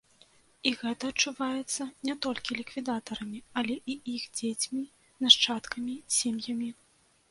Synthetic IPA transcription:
iɣɛt̪ɐːt͡ʂuvajɛt̪sːɐnʲɛt̪ɔlʲkʲilʲikvʲid̪at̪ɐɾɐmʲiɐlʲɛʔiixd͡zʲet͡sʲmʲi | naʂt͡ʂat̪kɐmʲisʲemjɐmʲi

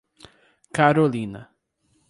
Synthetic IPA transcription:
kaɾolĩnɐ̰

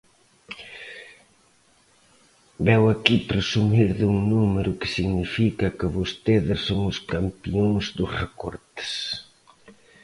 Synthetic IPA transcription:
bɛwakipɾesumiɾðuŋnumeɾʊkɪ̥siɣnifikɐkɪβost̪eðɪsoŋʊskampioŋzd̪ʊsrekɔ̰ɾt̪e̥s

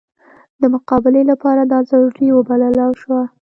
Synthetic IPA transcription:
d̪əmʊqɑbɪlelapɑɾad̪ɑzɑɾiwəbalɑlɑwʃwa

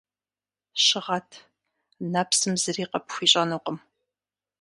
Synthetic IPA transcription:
ɕɪʁɐtʰ | napsɨmzɨriːqɐpxʷiːɕʼɐnɨqʷʊm

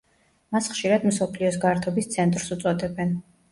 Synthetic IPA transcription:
masχʃiɾad̪msɔpʰliɔs̬ɡaɾt̪ʰɔbist̪sʰɛnt̪ʼɾsut̪sʼɔd̪ɛbɛn

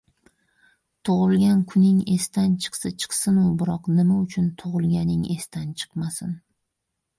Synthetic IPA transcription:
t̪ʰoʁɨlˠɡʲankʰʊnɪŋe̞st̪ant͡ʃʰɨ̥qsat͡ʃʰɨ̥qsɪnʊbɪɾɒqnɪmaʊt͡ʃʰʊnt̪ʰoʁɨlˠɡʲanɪŋe̞st̪ant͡ʃʰɨ̥qmasɪn

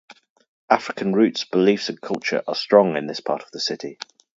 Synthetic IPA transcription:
ʔafɹɪkʰə̃nɹʉˑtsb̥ɪliˑfsə̃nkʰʌlˠt͡ʃə̰ɹʔə̰stɹ̥ɒ̃ŋɪ̃nðɪspʰɑ̰ˑtʰə̥vðəsɪtʰɪ

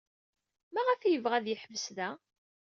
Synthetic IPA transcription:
mæʁəfjəvʁæðjəħəvəsðæ

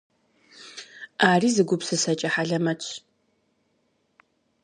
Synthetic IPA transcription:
aːriːzɨɡʷʊpsɨsɐt͡ʃʼɐħaɮɐmɐt͡ʃʷʰ

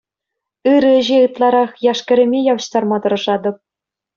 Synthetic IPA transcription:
ɯɾɘ̆ʑeɯt̪lˠɑɾɑχjɑʂkʲɘ̆ɾʲɘ̆mʲejɑʋɤ̆ɕt̪ɑrmɑt̪ɤ̆rɤ̆ʐɑd̪ɤ̆p̚

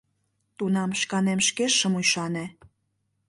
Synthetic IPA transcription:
t̪unɑmʃkɑnemʃkeʃə̆mujʃɑne

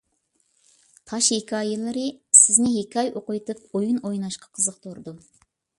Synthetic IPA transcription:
t̪ʰɑʃhekʲʰɑjɨlˠɨɾɨsɪznɪɦekʲʰɑjoqʊjt̪ɨp̚ojunojnɑʃqʰɑ̥qʰəzəq̚t̪ʰoɾd̪u

